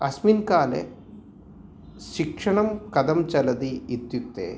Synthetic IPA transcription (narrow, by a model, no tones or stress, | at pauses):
ɐsminkaːlḛ | ʃikʂɐɳɐmkɐd̪ɐmt͡ʃɐlɐd̪iːt̪jut̪ːḛː